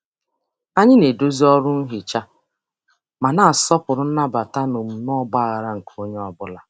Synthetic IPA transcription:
a˦ɲɪ˦ne˨do˦zi˦ɔ˦ɾʊ˦n̩˦ɦɪ˨t͡ʃa˦ | ma˨na˨a˨sɔ˦pʊ˨ɾʊ˦n̩˦na˦ba˨ta˦no˨m̩˨nɔ˦ɡ͡ba˦˨ɣa˨ɾa˦ŋ̩˨kʰo˦ɲe˦ɔ˦bʊ˦la˨

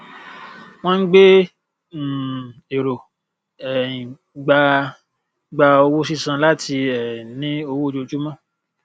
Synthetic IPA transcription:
w̃ɔ̃˦n̩˦ɡ͡be˦˨ | e˨ɾo˨ | ɛ˨ĩ˨ | ɡ͡ba˧ | ɡ͡ba˧o˧wo˦si˦sã˧la˦ti˧ɛ˨nĩ˨˦o˧wo˦d͡ʒo˧d͡ʒu˦mã˦˨

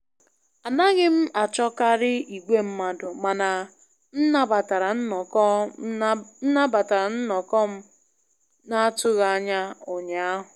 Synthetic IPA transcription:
a˨na˦ɣɪ˦m̩˦ʔa˨t͡ʃɔ˦ka˦ɾɪ˦i˨ɡʷe˦m̩˦ma˨dʊ˨ma˨na˨ | n̩˦na˦ba˨ta˨ɾa˨n̩˦n˨k | n̩˦na˦ba˨ta˨ɾa˨n̩˦nɔ˨kɔ˦m̩˦ | na˦a˦tʊ˦ɣa˦˨˦ɲa˦o˨ɲa˨a˦ɦʊ˨

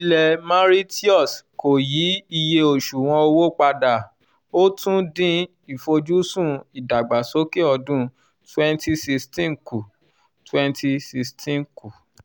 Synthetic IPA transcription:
i˧lɛ˨mã˦ɾi˦ti˦ɔ˦˨sko˨ji˨˦i˧je˧o˨ʃu˨w̃ɔ̃˧o˧wo˦k͡pa˧da˨ | o˦tũ˦dĩ˦ | i˨fo˧d͡ʒu˦sũ˦˨i˨da˨ɡ͡ba˨so˨˦ke˦ɔ˧dũ˦ | tɛ̃˦nti˦si˧stĩ˦˨ku˨ | twɛ˦nti˧si˧stĩ˦nku˨

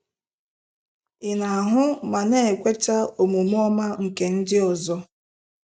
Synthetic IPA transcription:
ɪ˨na˨a˨ɦʊ˦ma˨ne˦˨e˨kʷe˦ta˦o˨mo˨m˦ɔ˦ma˦ŋ̩˨ke˨n̩˦dɪ˦ɔ˨zɔ˦

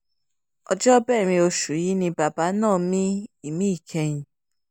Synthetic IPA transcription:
ɔ̰˧d͡ʒɔ˦bɛː˦˨ɾ̃ĩ˧o˧ʃu˨˦ji˨˦nĩ˧ba˨ba˨˦nãː˦˨mĩ˦i˦˨mĩ˨˦i˦˨kʰɛ˧j̃ĩ˨

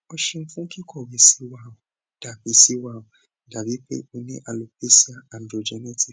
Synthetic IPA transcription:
ɔ˦ʃĩ˧n̩˦fũ˦ki˦kʰɔ˦˨we˨si˦wa˦˨o˨ | d̥a˨be˨si˦wa˨o˨ | da˨bi˦k͡pḛ˦o˧nĩ˦ʔa˨lo˨pe˦si˦a˦a˨ndɾo˨d͡ʒɛ˦nɛ˦ti˨

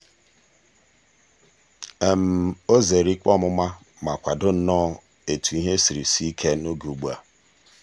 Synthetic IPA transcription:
e˨m̩˨o˦ze˨ɾi˦k͡pɔ˦mʊ˦ma˦ | ma˨kʷa˨dʊ˦n̩˦nɔ˦ | e˨tu˨i˦ɦe˦si˨ɾi˨si˦i˦kʰe˦no˦ɡu˨ɡ͡bu˦˨a̰˨

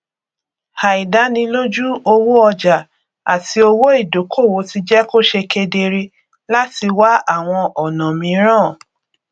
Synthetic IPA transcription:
ha˨i˨da˨˦nĩ˧lo˦d͡ʒu˦o˧wo˦ɔ˧d͡ʒa˨ | a˨ti˧˦o˧wo˦i˦˨do˨˦kʰo˦˨wo˨˦ti˧d͡ʒɛ˦ko˦ʃe˧ke˧de˧ɾe˧ | la˦ti˧wa˦a˦˨w̃ɔ̃˧ʔɔ˨nã˨mĩ˧˦ɾ̃ãː˦˨

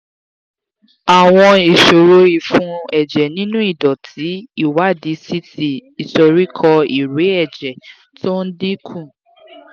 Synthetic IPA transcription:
a˨w̃ɔ̃˧i˨ʃo˨ɾo˨˦i˨fũ˦ɛ˨d͡ʒɛ˨nĩ˦nũ˦i˦˨dɔ˨tʰi˨˦i˦˨wa˨˦˨di˨˦si˦ti˨i˨so˧ɾi˦kʰɔ˧i˨ɾe˨˦ɛ˦˨d͡ʒɛ˨ | to˦n̩˦dĩ˦kʰũ˦˨

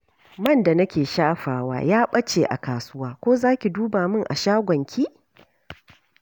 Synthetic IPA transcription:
mɐ˦˨nda˨nɐ˦kʲeː˨ʃaː˦ɸaː˨wa̰ː˦jaː˦ɓɐ˦t͡ʃeː˨ʔa˨kaː˨sʊ˦waː˦kʷoː˦zaː˦kʲi˨duː˦baː˨mɪ˦ŋʔa̰˨ʃaː˦ɡʷɐ˨ŋkʲʰiː˦ʔ

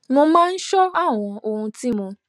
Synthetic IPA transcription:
nʊ̃˧mãː˦n̩˦ʃɔ˦a˦˨w̃ɔ̃˧o˧hũ˧ti˦mũ˧

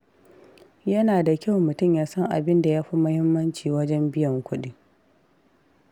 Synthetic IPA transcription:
jɐ˦naː˨da˨kʲa˦wmʊ˨tʊ˦˨mjaː˦sɐ˦ŋʔa̰˨bɪ˦nda˨jaː˦ɸi˦mɐ˦hɪ˦mːɐ˦nt͡ʃiː˨wɐ˦d͡ʒɛ˦mbɪ˦jɐ˨ŋkʷʰʊ˦ɗi˦

